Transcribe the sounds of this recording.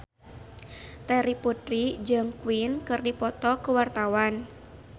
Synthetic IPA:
t̪ɛɾiput̪ɾid͡ʒɨŋkuwinkɨrdipɔt̪ɔkuwart̪awan

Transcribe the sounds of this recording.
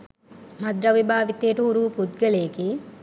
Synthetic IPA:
mɐd̪ɾɐʋibaːʋit̪ejːʈəɦuɾuʋupud̪ɡeleki

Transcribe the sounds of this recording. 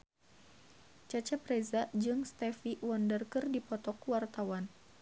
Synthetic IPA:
t͡ʃat͡ʃapɾezad͡ʒɨŋst̪ɛfiwɔndərkɨrdipɔt̪ɔkuwart̪awan

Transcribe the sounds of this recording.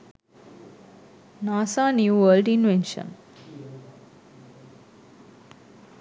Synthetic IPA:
naːsaːnjuːʋəːlɖĩnʋẽnʃə̰̃n

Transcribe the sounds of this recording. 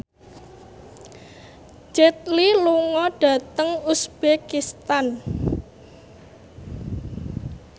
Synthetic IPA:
d͡ʒɛt̪̚liluŋɔɖ̥ä̤t̪əŋusb̥ekist̪an

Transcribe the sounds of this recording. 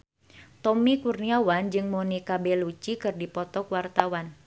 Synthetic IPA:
t̪ɔmikurniawand͡ʒɨŋmonikabɛlut͡ʃikɨrdipɔt̪ɔkwart̪awan

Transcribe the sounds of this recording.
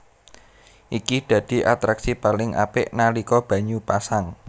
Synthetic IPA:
ʔikid̪̥a̤d̪̥i̤ʔat̪ɾaksipalɪŋʔa̰pɪʔnalikɔb̥ä̤ɲupasaŋ

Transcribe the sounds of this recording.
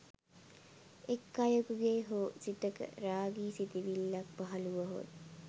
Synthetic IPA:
ekːajokuɡeːɦoːsit̪əkə̰ɾaːɡiːsit̪iʋilːak̚paɦɐluʋəɦo̰d̪

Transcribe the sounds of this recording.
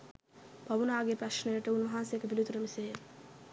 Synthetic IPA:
pɐʋunaːɡepɾɐʃnəjəʈəunʋɐɦansejekəpilit̪uɾəmiseːl

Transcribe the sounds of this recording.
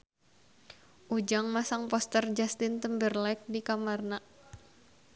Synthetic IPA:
ʔud͡ʒaŋmasaŋpɔst̪ərd͡ʒast̪ɪnt̪əmbərlak̚dikamarna

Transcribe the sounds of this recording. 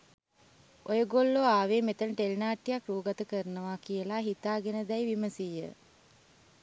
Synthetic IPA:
ojəɡolːoaːʋeːmet̪ənəʈelnaːʈːijakruːɡat̪əkəɾənəʋakijəlaɦit̪aːɡenəd̪æjʋiməsijə̰

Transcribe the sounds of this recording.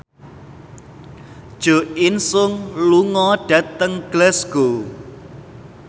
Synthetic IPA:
d̥ʒ̥o̤ɪnsʊŋluŋɔɖ̥ät̪əŋɡ̥lɛsɡ̥o

